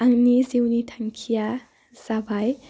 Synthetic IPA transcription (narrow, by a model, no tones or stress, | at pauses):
ʔaŋniziwnitʰaŋkʲʰija | sabaj